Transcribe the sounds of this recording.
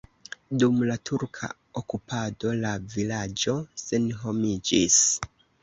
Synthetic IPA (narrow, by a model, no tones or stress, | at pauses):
dumlatʰuɾkʰa̰ | okupʰado̞lavilad͡ʒo̞se̞nɦo̞mid͡ʒis